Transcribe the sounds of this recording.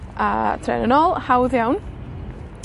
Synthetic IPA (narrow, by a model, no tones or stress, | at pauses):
a̰tʰrɛ̰nənɔlˠhawðjawn